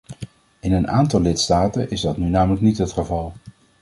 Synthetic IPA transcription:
ɪnəna̰ːntɑlːɪtstaːtənʔɪzdɑtnynaːmələknitɦətχəvɑlˠ

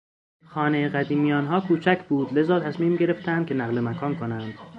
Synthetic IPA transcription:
xɒːnejeɣæd̪iːmijɒːnɦɒːkʰuːt͡ʃʰæcʰbuːd̪le̞zɒːt̪ʰæsmiːmɟe̞ɾe̞ft̪ʰænd̪̥̚kʰe̞næɣle̞mækʰɒːnkʰo̞nænd̪̥

